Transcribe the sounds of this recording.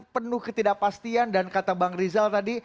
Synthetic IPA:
pənʊhkət̪idak̚past̪iandankat̪abaŋrizalt̪adi

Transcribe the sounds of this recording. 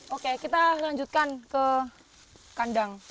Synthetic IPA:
ʔokekit̪alaɲd͡ʒut̪̚kankə | kandaŋ

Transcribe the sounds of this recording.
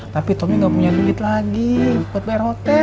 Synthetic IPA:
t̪apit̪omiŋɡapuɲadid͡ʒit̪laɡikuat̪̚bajarhot̪ɛ

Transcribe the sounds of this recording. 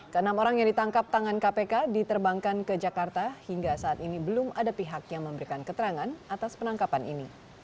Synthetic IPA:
kəənamoɾaŋjaŋdit̪aŋkap̚t̪aŋankapekadit̪ərbaŋkankəd͡ʒakart̪ahiŋɡasaːt̪inibəlʊmadapiɦakjaŋməmbəɾikankət̪əɾaŋanat̪aspənaŋkapanʔini

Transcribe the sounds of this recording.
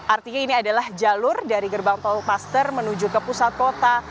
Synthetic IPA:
ʔart̪iɲainiadalahd͡ʒalʊrdaɾiɡərbaŋt̪ɔlpast̪ərmənud͡ʒukəpusat̪̚kot̪a

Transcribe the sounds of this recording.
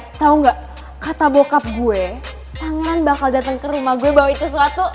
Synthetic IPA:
t̪auŋɡaʔ | kat̪abokap̚ɡuɛ | p̪aŋɛɾanbakaldat̪əŋkəɾumahɡuɛbawait̪usəwat̪u

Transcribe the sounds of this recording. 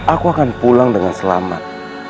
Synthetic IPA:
ʔakuakanpulaŋdəŋansəlama̰t̚

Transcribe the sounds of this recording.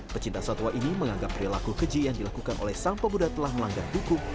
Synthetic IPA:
pət͡ʃint̪asant̪uwaʔiniməŋaŋɡapːɾilakukəd͡ʒijaŋdilakukanʔo̰lɛhsaŋpabudat̪əlahməlaŋɡardukuŋ

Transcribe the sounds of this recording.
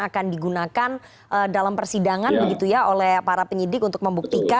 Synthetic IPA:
akandiɡunakan | ʔədalampərsidaŋanbəɡit̪ujaʔolɛhpaɾapəɲidɪkunt̪ʊk̚məmbuk̚t̪ika

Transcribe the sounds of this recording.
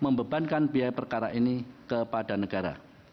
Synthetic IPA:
məmbəbankanbiajpərkaɾaʔinikəpadanəɡaɾa̰

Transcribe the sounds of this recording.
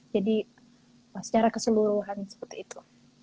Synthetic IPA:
d͡ʒadi | əsə̥t͡ʃaɾakəsəluɾuɦansə̥pərt̪iːt̪ʰu

